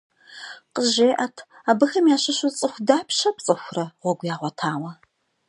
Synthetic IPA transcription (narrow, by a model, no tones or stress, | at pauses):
qəʒeːʔɐtʰ | aːbɨxɐmjaːɕɪʃut͡sʼɨxʷdaːpʰʃɐpt͡sʼɨxʷʊrɐʁʷɔɡʷjaːʁʷɔtʰaːwɐ